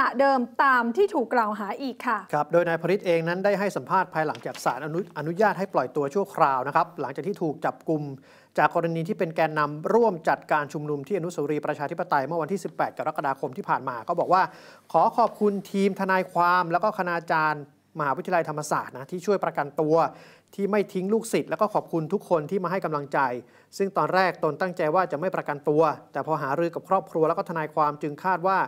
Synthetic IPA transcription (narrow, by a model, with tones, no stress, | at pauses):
a˨˩dɤː˧mt̪aː˧mt̪ʰiː˥˩t̪ʰuː˨˩kːlaː˨˩wɦaː˩˦ʔiː˨˩kʰːa˥˩kʰa˦˥p̚doː˧jnaː˧jpʰa˧ɾi˦˥t̪̚ʔeː˧ŋna˦˥ndaː˥˩jɦa˥˩jsa˩˦mpʰaː˥˩t̪̚pʰaː˧jla˩˦ŋt͡ɕaː˨˩k̚saː˩˦nʔʔa˧nu˦˥jaː˥˩t̪̚ɦa˥˩jplɔ˨˩jt̪u˧ɐt͡ɕʰu˥˩ɐkʰɾaː˧wna˦˥kʰa˦˥p̚la˩˦ŋt͡ɕaː˨˩t̪ʰiː˥˩t̪ʰuː˨˩k̚t͡ɕa˨˩p̚ku˧m | t͡ɕaː˨˩kːɔː˧ɾa˧niː˧iː˥˩pe˧nkɛː˧nːa˧mɾu˥˩əmt͡ɕa˨˩t̪̚kaː˧nt͡ɕʰu˧mnu˧mt̪ʰiː˥˩ʔa˧nu˥soː˨˩˦ɾiː˧pɾa˧t͡ɕʰaː˧t̪ʰi˦˥pːa˧t̪a˧jmɯ˥˩ɐwa˧nt̪ʰiː˥˩si˨˩pːɛː˨˩t̪̚ka˧ɾa˦˥ka˧daː˧kʰo˧mt̪ʰiː˥˩pʰaː˨˩nmaː˧kʰɔː˦˥˩bɔː˨˩k̚waː˥˩kʰɔː˩˦kʰɔː˨˩p̚kʰu˧nt̪ʰiː˧mt̪ʰa˧naː˧jkʰwaː˧mlɛː˦˥wkɔː˥˩a˧naː˧t͡ɕaː˧n | ma˧haː˩˦wt̪ʰːi˧a˧la˧jt̪ʰa˧mːa˧sa̰ː˨˩t̪̚na˦˥t̪ʰiː˥˩t͡ɕʰu˥˩əjpɾa˧ka˧nt̪u˧ɐ | t̪ʰiː˥˩ma˥˩jt̪ʰi˦˥ŋluː˥˩k̚si˨˩t̪̚lɛ˦˥wkɔː˥˩ɔː˨˩p̚kʰu˧nt̪ʰu˦˥kʰːo˧nt̪ʰiː˥˩maː˧ɦa˥˩jka˧mla˧ŋt͡ɕa˧j | sɯ˥˩ŋt̪ɔː˧nɾɛː˥˩k̚t̪o˧nt̪a˥˩ŋt͡ɕa˧jwaː˥˩t͡ɕa˨˩ʔma˥˩jpɾa˧ka˧nt̪u˧ɐt̪ɛː˨˩pʰɔː˧ɦaː˩˦ɾɯː˧ka˨˩ɾɔː˥˩p̚kʰɾu˧lɛ˦˥kːɔ˥t̪ʰa˧naː˧jkʰwaː˧mt͡ɕɯ˧ŋkʰaː˥˩t̪̚waː˥˩